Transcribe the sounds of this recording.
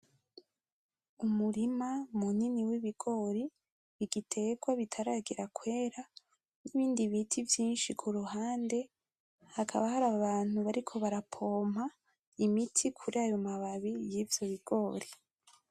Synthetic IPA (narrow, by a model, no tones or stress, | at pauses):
umuɾimamuniniwiβiɡ̥o̞ːɾi | βiɡitʰe̞ɡwaβitʰaɾaːɡiɾakwe̞ːɾa | niβiːndiβitʰivjiːnʃikʰuɾuɦaːnde̞ | hakʰa̰βahaɾaβaːn̥huβaɾikʰo̞βaɾapʰo̞ːmha | imitʰikʰuɾiajomaβaβijiːvjo̞βiɡ̥o̞ːɾi